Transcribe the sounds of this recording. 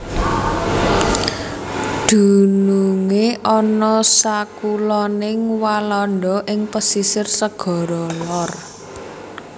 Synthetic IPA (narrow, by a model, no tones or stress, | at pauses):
d̪̥ṳnuŋeʔɔnɔsakulɔnɪŋwalɔnɖɔʔɪŋpəsisɪrsəɡ̥ɔ̤ɾɔlɔr